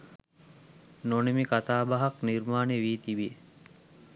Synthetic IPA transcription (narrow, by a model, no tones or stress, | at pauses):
nonimikat̪aːbaɦakniɾmaːneʋiːt̪iʋie